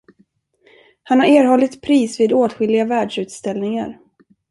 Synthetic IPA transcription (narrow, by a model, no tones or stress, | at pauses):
hanhaɾeːɾhɔlːɪt̪pʰɾiːsviːd̪oːt̪ɧɪlɪɡavæːɖʂʉ̟ːt̪st̪ɛlnɪŋa̰ɾ